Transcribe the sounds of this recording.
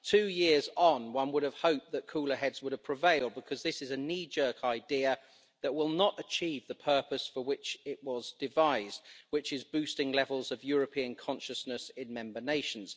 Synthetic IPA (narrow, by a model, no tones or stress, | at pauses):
tʰʉːjɪəz̃nwʌ̃nwʊɾəv̥həʊp̚ðəʔ̚kʰuːlˠəɦɛdz̥wʊɾəv̥pʰɹ̥əveɪlˠd̚bɪkʰɒzðɪsɨzɨnid͡ʒɜˑ˞kʰaɪdɪə | ðəʔwɪlˠnətət͡ʃʰiːvðəpʰɜˑpəsfəwɪt͡ʃɪʔwɒzdɪvaɪzdwɪt͡ʃɪzbʉˑstɪ̃ŋlɛvəlˠzəvjɔːɹəpʰĩə̃nkʰɒ̃nʃəsnəsɪ̃nmɛ̃mbəneɪʃə̃n̩z̥